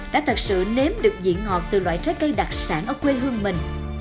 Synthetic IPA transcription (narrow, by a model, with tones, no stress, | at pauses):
ɗa̰ː˧˥t̪ʰə˨˩t̚sɨ̰˧˨ne˨˦mɗɨ˨˩ək̚zḭ˧˥ənhɔ˨˩t̚t̪ɨ˨˩lwaː˧˨jt͡ɕə˦˥t̚kə˧jɗa˨˩t̚saː˧˩nʔəː˧˩kwe˧ɦɨ˧əŋmï˨˩ŋ̟